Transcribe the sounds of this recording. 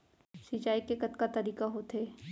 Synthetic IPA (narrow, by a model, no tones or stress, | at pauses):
sit͡ʃaːikekɐt̪kat̪ɐɾiːkaɦot̪eː